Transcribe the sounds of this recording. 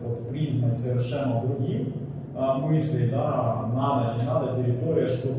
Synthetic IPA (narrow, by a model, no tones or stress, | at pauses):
ɔt̪pɾʲiznɐtʲsɐʋʲɪrʃɛnɐd̪ɾʊɦʲix | mɪslʲijd̪anɑd̪ɐnʲinɑd̪ɐt̪ʲɪɾʲɪt̪oɾʲɪjɐʃt̪ɔ